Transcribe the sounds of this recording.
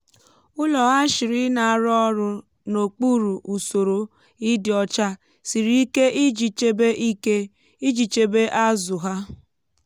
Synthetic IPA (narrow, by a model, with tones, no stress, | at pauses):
ʊ˦lɔ˨ɣa˦ʃi˨ɾɪ˦na˨a˨ɾɔ˦ɾʊ˦ | no˨k͡pu˦ɾu˨ʔu˨so˨ɾo˨ | i˦dɪ˨ɔ˨t͡ʃa˦ | si˨ɾi˦i˦ke˦ʔi˦d͡ʒi˨t͡ʃe˦be˦ʔi˦ke˦ | i˦d͡ʒi˨t͡ʃe˦be˦ʔa˦zʊ˨ɦa˦